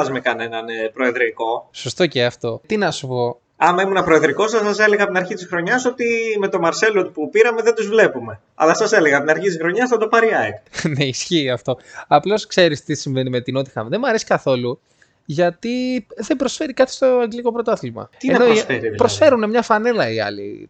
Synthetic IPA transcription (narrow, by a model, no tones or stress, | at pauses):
ɐzmekɐne̞nɐnpɾoeðɾiko̞so̞st̪o̞ceɐft̪o̞t̪inɐsupo̞ | ɐmɐimunɐpɾoeðɾiko̞sɐsɐse̞le̞ɣɐɐpt̪inɐɾçit̪isxɾo̞ɲɐso̞t̪ime̞t̪o̞mɐɾse̞lot̪upupiɾɐme̞ðed̪uzvle̞pume̞ | ɐ̰lɐsɐse̞leɣɐp̚t̪inɐɾçit̪isxɾo̞ɲɐsθɐd̪o̞pɐɾiɐneisçiːɐft̪o̞ɐplo̞skse̞ɾist̪isiɱve̞nime̞t̪ino̞t̪i̥xɐmðemɐɾesi̥kɐθo̞lu | ʝɐt̪iðe̞mbɾo̞sfe̞ɾikɐt̪i̥st̪o̞ɐŋɡliko̞pɾot̪oɐθilmɐ̰t̪ienɐnooisfeɾit̪pɾo̞sfe̞ɾunemɲɐfɐne̞lɐiɐ̰lḭ